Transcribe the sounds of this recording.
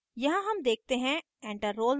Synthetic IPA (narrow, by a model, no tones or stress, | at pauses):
jɐɦãɦɐmd̪eːk̚t̪eɦɛ̃ | ɛ̃ːɳʈəɾːoːl